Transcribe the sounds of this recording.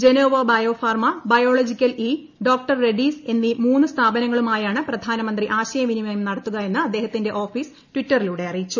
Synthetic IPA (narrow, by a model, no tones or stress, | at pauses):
d͡ʑe̞noːʋɐbɐjo̞ːfaːrmɐbɐjoːɭod͡ʑikʲːɐliː | ɖo̞ːk̚ʈɐrːe̞ɖiːse̞nːimuːnːɨst̪ʰaːbɐnɐŋːɐɭumaːjaːɳɨprɐd̪ʱaːnɐmɐnd̪riʔaːɕɐjɐminimɐjumnɐɽɐt̪ːuɣɐe̞nːɨɐd̪ːe̞ːhɐt̪ːinde̞ʔo̞ːfiːs | tʋitːɐriluːɽe̞ɐrijit͡ɕːu